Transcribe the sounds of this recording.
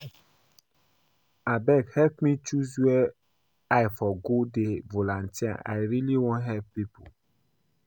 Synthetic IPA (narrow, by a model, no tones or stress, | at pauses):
abɛkhɛlpmĩt͡ʃuzuɛ | ajfɔɡodevolãntia̰ʔa̰jɾiliwɔ̃nɦɛvpipo̰l